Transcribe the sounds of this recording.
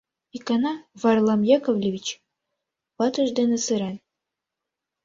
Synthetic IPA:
ikɑnɑvɑrlˠɑmjɑkovlʲevʲit͡ɕ | pɑt̪ɤ̆ʒd̪ĕnɘ̆sɘ̆ɾæn

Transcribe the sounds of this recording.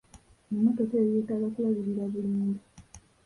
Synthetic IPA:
memutoteːjetaɡakuβaβiɾiɾaβuluːndu

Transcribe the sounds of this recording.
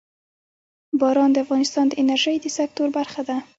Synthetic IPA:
bɑɾɑnd̪əafɣɑnɪst̪ɑnd̪əʔɪnaɾʒəjd̪əsak̚t̪oɾbaɾxad̪a

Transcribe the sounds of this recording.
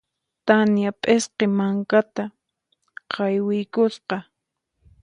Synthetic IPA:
t̪anjapʼesqemaŋkat̪a | qʰɑjwɪjkʊsqɑ

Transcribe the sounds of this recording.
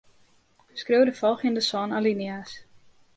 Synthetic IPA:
skrøwdəfɔlˠxjəndəsɔːnalinias

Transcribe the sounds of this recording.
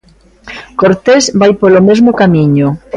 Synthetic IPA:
koɾt̪ezbajpolomezmʊkamiɲʊ

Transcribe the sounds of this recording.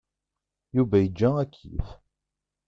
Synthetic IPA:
juvæjəd͡ʒːæækʰːḭf

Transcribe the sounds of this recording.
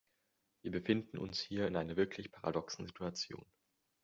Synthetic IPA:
viːɐbəfɪndn̩ʔʊ̰nshiːɐɪnʔaɪnɐvɪɐkʰlɪçpʰaʁa̰dɔksn̩zitʰuat͡sjo̰ːn

